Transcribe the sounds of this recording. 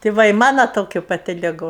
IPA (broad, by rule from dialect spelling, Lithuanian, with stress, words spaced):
tʲeː ˈʋɐ ɪ ˈmɑːnoː ˈtoːkʲʊ pɐˈtʲɪ lʲɪˈɡʊ